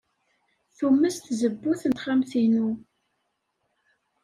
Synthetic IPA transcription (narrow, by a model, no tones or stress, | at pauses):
θumːəst̪zəbːuθənt̪χamθinu